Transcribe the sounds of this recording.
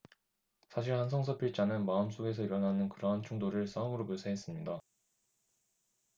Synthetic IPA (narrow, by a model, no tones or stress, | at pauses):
sʰaɕ̬ʰiɭhansʰʌŋsʰʌpʰiɭt͡ɕ͈anɯnmaɯms͈oɡe̞sʰʌiɾʌnɦanɯnkɯɾʌɦant͡ɕʰuŋdoɾɯɭs͈ʰaɯmɯɾopoɭsʰeɦes͈ɯmɲida